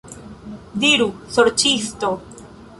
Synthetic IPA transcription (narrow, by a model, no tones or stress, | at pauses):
diɾusoɾt͡ʃisto